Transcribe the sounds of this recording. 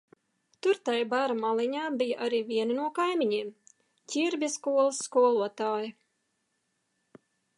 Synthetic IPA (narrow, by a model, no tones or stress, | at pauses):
t̪uɾt̪ajbaɾamalˠiɲaːbijaʔaɾiːvʲiɛnɐnuɔkajmiɲiːm | cʲiɾbʲjaskuɔlˠɨsːkuɔlˠuɔt̪aːjɐ